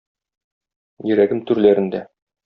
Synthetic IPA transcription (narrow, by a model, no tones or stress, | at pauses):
jɘ̆ɾæɡɘmt̪ʉɾlæɾɘ̆nd̪æ